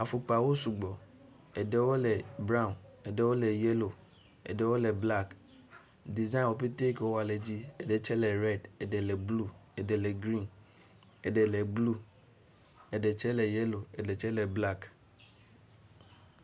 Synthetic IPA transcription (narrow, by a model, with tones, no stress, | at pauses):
a˨fu˨k͡pa˨wo˦su˨ɡ͡bɔ˨ | ɛ˨dɛ˨wo˦lɛ˨bɾã˦˨nɛ˨dɛ˨wo˦lɛ˨jɛ˦lo˨ | ɛ̰˨dɛ˨wo˦lɛ˨bla˦˨k | di˨za˦nwo˨pe˦t̪e˦kwo˦a˨lɛ˨d͡ʑi˦ɛ˨dɛ˨t͡ʃɛ˦lɛ˨ɾɛ˦˨dɛ˨dɛ˨lɛ˨blu˦ɛ˨dɛ˨lɛ˨ɡɾĩ˦n | ɛ˨dɛ˨lɛ˨blu˦ | ɛ˨dɛ˨t͡ʃɛ˦lɛ˨jɛ˦lo˨ɛ˨dɛ˨t͡ʃɛ˦lɛ˨bla˦k